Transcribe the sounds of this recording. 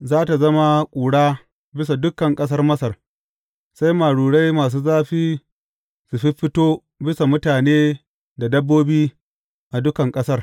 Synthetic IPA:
zaː˦ta˨zɐ˦ma˦kʷʼuː˨ɽaː˦ | bɪ˦s̬a˨dʊ˦kɐ˨ŋkʼɐ˦s̬ɐ˦rmɐ˦sɐ˨r | sa˦jmaː˨ɽuː˨ɽa˦jmaː˨s̬uː˦zaː˦ɸiː˦ | su˨ɸɪ˦ɸɪ˦toː˦ | bɪ˦sa˨mʊ˦taː˨neː˦ | da˨dɐ˦bːoː˦biː˦ | ʔa˨dʊ˦kɐ˨ŋkʼɐ˦sɐ˦r

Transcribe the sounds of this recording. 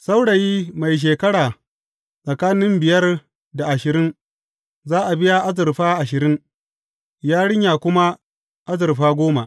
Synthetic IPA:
sa˦wɽa˨jiː˦ma˨jʃ̬eː˨kɐ˦ɽaː˨ | sʼɐ˨kaː˦nɪ˦mbɪ˨jɐ˦r | da˨ʔa˨ʃɪ˨ɾɪ˦n | zaː˦ʔa˨bɪ˦ja˦ʔa˦zɪ˨rɸaː˦ʔa˨ʃɪ˨ɾɪ˦n | jaː˦ɽɪ˦ɲjaː˨kʷʊ˦ma˦ | ʔa˦zɪ˨rɸaː˦ɡʷoː˦ma˨ʔ

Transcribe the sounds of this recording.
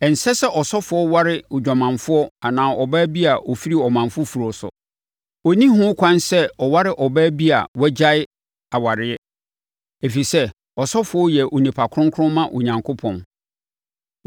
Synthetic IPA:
ɛ˨n̩˨sɛ˦sɛ˦ʔɔ˨sɔ˦fʊ˨˦ɔ˦wa˦ɾɪ˦ʊ˨d͡ʑᶣa˨mã˨ɱfʊ˦ɔ˦a˨nãː˨ɔ˨bɛ˦bi˦a˨ɔ˨fi˦ɾi˦˨ɔ˨mã˨ɱfʊ˦fu˨ɾɔ˨sʊ̰˨ | ɔ˨nĩ˦ɦʊ̃˦kʷʰã˦nsɛ˦ɔ˨wa˦ɾɪ˦ʔɔ˨bɛː˦bi˦a̰˨wɛ˦d͡ʑa˦ɪ˦ | a˨wa˨ɾɪ˦ɛ˦ | e˨fi˨sɛ˦ | ɔ˨sɔ˦fʊ˨˦ɔ˦jɛ˨ʔo˨nĩ˨pʰa˨kʰɾʊ̃˦ŋkʰɾʊ̃˦mã˦ʔo˨ɲã˨ŋkʰʊ˦pʰɔ̃˨n

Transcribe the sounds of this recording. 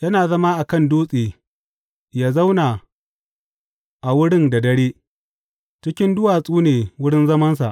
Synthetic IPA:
jɐ˦naː˨zɐ˦ma˦ʔa˨kɐ˦˨nduː˦sʼeː˨ | jaː˦za˦wna˨ | ʔa˨wʊ˦ɽɪ˦nda˨dɐ˦ɽeː˦ | t͡ʃɪ˦kʲɪ˦ndʊ˦waː˨sʼuː˦neː˨wʊ˦ɽɪ˦nzɐ˦mɐ˦ns̬a̰˨ʔ

